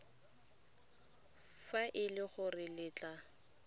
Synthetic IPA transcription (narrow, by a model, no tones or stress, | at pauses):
faʔɪlɪχʊrɪlɪːt͡ɬʼa